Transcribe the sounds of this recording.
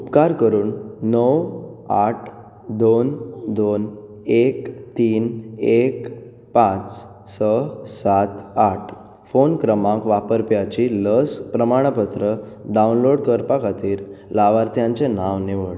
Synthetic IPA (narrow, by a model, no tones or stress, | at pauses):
upkaɾkəɾuːnːəʋaʈʰ | d̪ond̪on | ekt̪iːnek | pãt͡s | səsat̪aʈʰ | fonkɾəmãŋkʋapəɾpjat͡ɕiləspɾəmaɽ̃pət̪ɾəɖaunloɽkəɾpakʰat̪iːɾlaʋaɾt̪ʰjãɲt͡senaʋniʋəɭ